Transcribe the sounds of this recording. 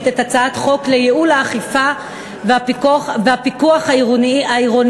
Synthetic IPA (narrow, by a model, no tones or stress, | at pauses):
tetat͡saat̪χo̞klejeulaːχifa | veapikχvehapikuaχaiʁonaiʁo̞n